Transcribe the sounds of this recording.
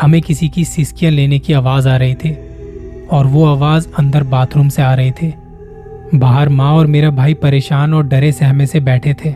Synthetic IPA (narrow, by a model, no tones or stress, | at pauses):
ɦɐmẽkɪsikisɪskijãleːnekiaːʋaːzaːɾɐɦet̪ʰeː | ɔːɾʋoaːʋaːzɐ̃nd̪əɾbaːt̪ʰɾʊmseaːɾɐɦet̪ʰeː | baːɦəɾmãɔːɾmeːɾabʱaːipɐɾeːʃaːnɔːɾɖɐɾesɛɦmẽsebɛːʈʰet̪ʰeː